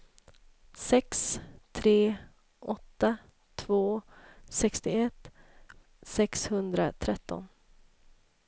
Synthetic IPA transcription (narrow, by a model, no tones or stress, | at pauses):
sɛkst̪ʰɾeː | ʔɔt̪ːa | t̪ʰvoːsɛkst̪ɪɛt̪ː | sɛkshɵnd̪ɾat̪ʰɾɛt̪ːɔ̰n